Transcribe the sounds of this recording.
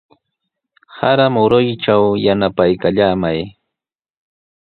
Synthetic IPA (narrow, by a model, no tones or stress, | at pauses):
haɾamʊɾʊjʈ͡ʂawjanapajkaʎaːmaj